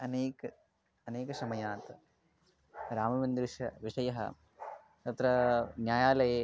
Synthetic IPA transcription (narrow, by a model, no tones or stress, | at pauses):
ɐneːkɐ | ɐneːkɐsɐmɐjaːt̪ɐ | ɾaːmɐʋɐnd̪ɾɪʂɐʋiʂɐjɐɦɐ̰ | t̪ɐt̪ɾɐnjaːjaːlɐjeː